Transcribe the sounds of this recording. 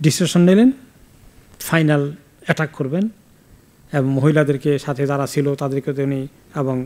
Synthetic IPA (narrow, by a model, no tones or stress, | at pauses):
ɖisʈeʃonnelen | fʰajnal | ɛʈakkoɾben | eboŋmoɦilad̪eɾkeʃat̪ʰed͡ʑaɾat͡ɕʰilot̪ad̪eɾket̪eni | eboŋ